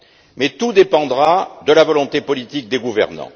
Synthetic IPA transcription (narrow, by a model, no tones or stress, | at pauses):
mɛt̪ud̪epɑ̃d̪ʁad̪əlavɔlɔ̃t̪epɔlit̪ik̚d̪eɡuvɛ̰ʁnɑ̰̃